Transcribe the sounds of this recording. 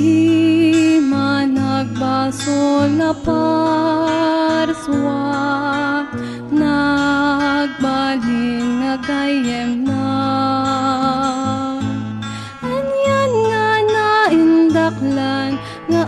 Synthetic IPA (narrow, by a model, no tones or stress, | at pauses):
i | mɐnɐɡ̚basonɐpa | ɾswa | na | ɡ̚balɪnːɐɡaːjɐnːa | ɐnjanŋanaʔɪnd̪ɐklan | ŋɐ